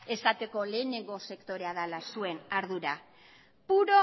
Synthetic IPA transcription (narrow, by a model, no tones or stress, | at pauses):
e̞sat̪e̞ko̞le̞ːneŋɡo̞se̞kt̪o̞ɾe̞aðalasue̞naɾðuɾa | puɾo̞